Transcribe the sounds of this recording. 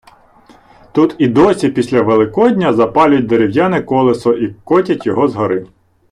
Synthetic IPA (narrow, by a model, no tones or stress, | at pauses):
t̪ut̪id̪ɔsʲipʲisʲlʲɐʋelˠɪkɔdʲnʲɐzɐpɑlʲʊt̚ʲd̪eɾʲiwjanɪkɔlˠesɔʔikɔtʲɐtʲjɔɦɔzɦɔɾɪ